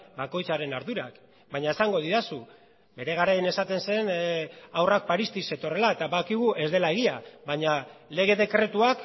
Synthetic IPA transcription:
bako̞jt͡saɾe̞naɾðuɾak | baɲae̞saŋɡo̞ð̞iɾasu | be̞ɾe̞ɣ̞aɾaene̞sat̪e̞nse̞nawrak̚paɾist̪ise̞t̪o̞re̞laet̪aβaðkiɣ̞uʔe̞zðe̞lae̞ɣiaβaɲale̞ɣ̞e̞ðe̞kɾe̞t̪uak

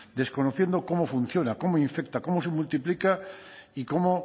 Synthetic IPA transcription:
d̪e̞sko̞noθje̞nd̪oko̞mo̞fun̟θjo̞nako̞moiɱfe̞k̚t̪ako̞mosemult̪iplikaiko̞mo

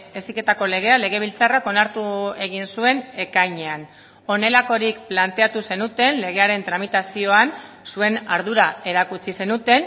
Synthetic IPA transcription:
e̞sike̞t̪ako̞le̞ɣ̞e̞ale̞ɣ̞e̞β̞ilt͡sarako̞naɾt̪ue̞ɣ̞insue̞ne̞kajɲean | o̞ne̞lako̞ɾikplant̪e̞at̪use̞nut̪e̞nle̞ɣe̞aɾe̞nt̪ɾamit̪asio̞an | sue̞naɾðuɾae̞ɾakut͡sise̞nut̪e̞n

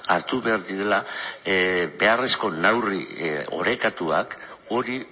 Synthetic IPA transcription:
aɾt̪uβe̞aɾðiɾe̞la | be̞are̞sko̞nawrḭo̞̰ɾe̞kat̪ua̰k | o̞ɾi

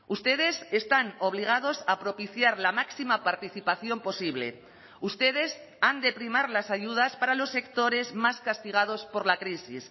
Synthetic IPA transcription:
ust̪e̞ð̞e̞se̞st̪ano̞β̞liɣ̞að̞o̞sapɾo̞piθjaɾlamaksimapaɾt̪iθipaθjo̞mpo̞siβle̞̰ | ust̪e̞ð̞e̞s | and̪e̞pɾimaɾlasaʝuð̞aspaɾalo̞sːe̞kt̪o̞ɾe̞zmaskast̪iɣ̞að̞o̞spo̞ɾlakɾisḭs

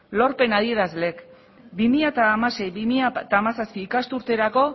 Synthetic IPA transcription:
lo̞ɾpe̞naðie̞ɾazle̞k | bimiʎat̪aːmase̞jβimiʎat̪aːmasaspiːkast̪uɾt̪e̞ɾako̞

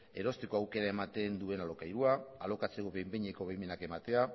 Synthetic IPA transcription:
e̞ɾo̞st̪ekoawke̞ɾaemat̪e̞nd̪ue̞nalo̞kajɾuaalo̞kat͡sekoβejmbeɲeko̞βejme̞nake̞mat̪e̞a

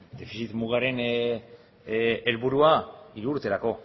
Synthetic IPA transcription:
d̪e̞fisit̪muɣ̞aɾe̞n | elβuɾuaiɾuːɾt̪e̞ɾako̞

